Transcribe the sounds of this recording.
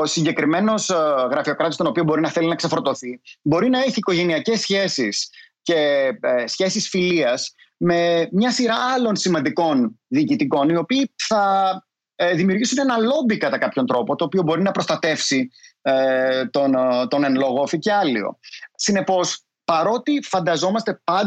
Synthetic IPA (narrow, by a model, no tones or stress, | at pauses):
osiɲɟe̞kɾime̞no̞sɣɾɐfio̞kɾɐt̪ist̪o̞no̞piobo̞ɾinɐθe̞linɐkse̞fɾot̪o̞θibo̞ɾinɐeçiːko̞ʝe̞niɐce̞sçe̞sisce̞sçe̞sisfiliɐs | me̞mɲɐsiɾɐɐlo̞nsimɐnd̪iko̞nðiːcit̪iko̞nio̞piːθɐ | ðimiuɾʝisune̞nɐlo̞bikɐt̪ɐkɐpço̞nt̪ɾo̞po̞t̪oːpio̞bo̞ɾinɐpɾo̞st̪ɐt̪e̞fsi | t̪ont̪o̞ne̞nlo̞ɣofice̞ɐlio̞̰sine̞po̞s | pɐɾo̞t̪ifɐnd̪ɐzo̞mɐst̪e̞pɐn